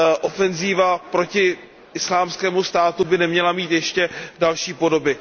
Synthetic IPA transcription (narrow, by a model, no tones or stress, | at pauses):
ʔofɛnziːvapɾocɪ | ʔɪslaːmskɛːmust̪aːt̪ubɪnɛmɲɛlamiːt̪jɛʃcɛdalʃiːpo̞do̞bɪ